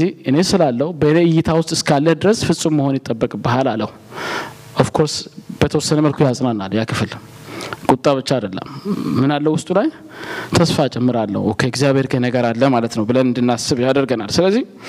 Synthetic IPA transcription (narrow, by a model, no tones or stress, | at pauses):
ihʔɨne̞sɨlalːəhubəneɨjːɪt̪ʰawʊst̪ʼɨskʰalːəd̪ɨɾəsfɨsʼumməho̞njɪt̪ʼːəbːəkʼbəɦalaləhu | ʔafkʰo̞ɾsb̥ət̪ʰəwɔsːənəməlkʰujasʼnanːaljakʰɨfl | kʼut̪ʼːaβɨt͡ʃːaad̪əlːə̰mːɨnalːəwʊst̪ʼulaj | t̪ʰəsfat͡ʃʼɛmːɨɾalːə̰hukʰəɛɡzijaβe̞ɾkʰənəɡəɾalːəmalət̪nəwbɨlənɨnd̪ɨnːasɨβjad̪əɾɡənalsɨləzːih